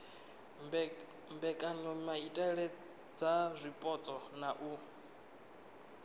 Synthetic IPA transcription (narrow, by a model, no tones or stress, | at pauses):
mbɛkʼaɲɔmaitʼɛɺɛ | d͡zazʷipʼɔt͡sʼɔnaʔu